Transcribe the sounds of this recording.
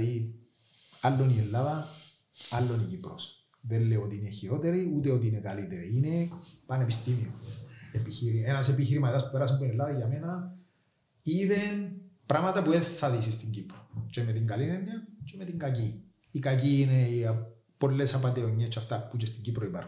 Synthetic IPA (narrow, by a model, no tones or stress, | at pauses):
i | alːonielːaðɐ | alːo̞nicipɾos | ðelːeot̪iineçiɾo̞t̪e̞ɾiut̪eot̪iinekalit̪eɾiine̞pɐne̞pist̪imioepiçiɾienasepiçiɾimat̪ɐspupeɾɐs̬imponelːaðɐʝamenɐ | iðenpɾamɐt̪ɐpueθaðisist̪iɲɟipɾot͡ʃemet̪iŋɡalinenːɐt͡ʃemet̪iŋɡaciː | kac̬iːnei | po̞lːesapat̪eoɲːet͡ʃːaft̪aput͡ʃest̪iɲɟipɾoipa̰ɾxun